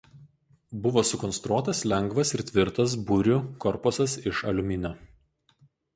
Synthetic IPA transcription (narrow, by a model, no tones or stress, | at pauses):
bʊʋoːsʊkɔnst̪ɾuɔt̪ɐslʲɛŋɡʋɐsɪɾt̪ʲʋʲɪɾt̪ɐs̬bʊɾʲʊkɔɾpʊsɐsɪʃɐlʲʊmʲɪnʲo